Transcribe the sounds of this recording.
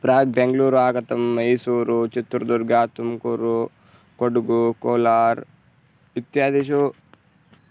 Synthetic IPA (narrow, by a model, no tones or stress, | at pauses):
pɾaːɡ̚beŋɡluːɾuaːkɐt̪ɐmɐjsuːɾut͡ʃit̪ːɾɐd̪uɾɡaːt̪umkuɾu | koɖuɡukoːlaːɾ | ʋit̪jaːd̪iʃu